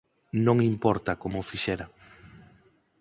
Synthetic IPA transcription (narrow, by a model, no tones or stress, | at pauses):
nõŋimpɔɾt̪akomʊfiʃɛɾa